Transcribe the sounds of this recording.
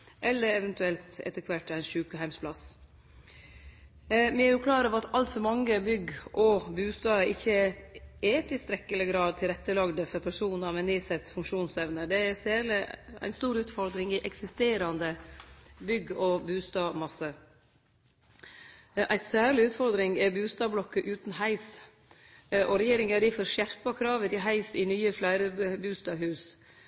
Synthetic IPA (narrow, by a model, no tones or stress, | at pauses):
ʔɛlːəɾɛʋɛnt̪ʉɛlt̪ɛ̰t̪ːəɾkʰʋæʈːæɪnʃʉːkəɦæɪmspʰlɑs | mɛɾʊkʰlɑːɾəʋɑt̪ʰɑlt̪fɔɾmɑŋːəbʏɡʔɔbʉːst̪ɑːəɪçːə | ɛt̪ɪst̪ɾɛkːələɡɾɑːd̪̚t̪ʰɪlɾɛt̪ːəlɑɡd̪əfɔɾpʰæʂuːnnɑʋmɛniːsɛt̪ːfʉŋkʂuːnsɛʋnəd̪ɛæsæːɭɪæ̰ɪnst̪uːɾʉːt̪fɔɾd̪ɾɪŋɪʔɛksɪst̪eːɾɑnd̪ə | bʏɡɔbʉːst̪ɑːmɑsə | ʔæɪsæːɭɪʉːt̪fɔɾd̪ɾɪŋɛbʉːst̪ɑːblɔkːəʔʉːt̪nhæɪs | ʔɔɾɛjeːɾɪŋæɾifɔɾʂjæɾpɑkʰɾɑːʋət̪ɪɦæɪsɪnyːəflæɪɾəbʉːst̪ɑːhʉːs